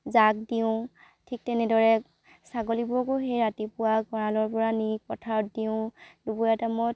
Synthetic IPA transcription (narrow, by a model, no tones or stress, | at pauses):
zak̚diʊ̃ | tʰik̚tɛnɛdɔɹɛ | saɡɔlibɔkoɦejɹatipʊwaɡɔɹalɔɹpɔɹanikɔtʰaɔt̚diʊ̃dubujatamɔ